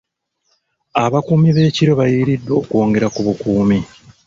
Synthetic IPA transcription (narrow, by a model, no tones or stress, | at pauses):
aβakuːmiβe̞ːciɾo̞βajiːɾidːwo̞ːkuo̞ːŋɡe̞ɾakuβukuːmi